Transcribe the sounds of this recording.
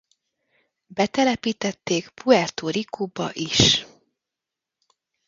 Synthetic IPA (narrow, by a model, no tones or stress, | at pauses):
bɛt̪ɛlɛpiːt̪ɛt̪ːeːkpuɛrt̪oːɾikʰobɒ̰ʔiʃ